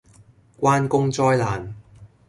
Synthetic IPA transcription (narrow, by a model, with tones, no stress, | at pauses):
kʷaː˧˥nkʊ˥ŋt͡sɔː˧jlaː˨˩n